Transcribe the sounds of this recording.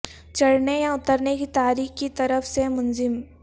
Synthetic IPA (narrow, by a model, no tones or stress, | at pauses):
t͡ʃɐɽnejaʊt̪əɾnekit̪aːɾiːxkit̪ɐɾəfsemʊnzɪm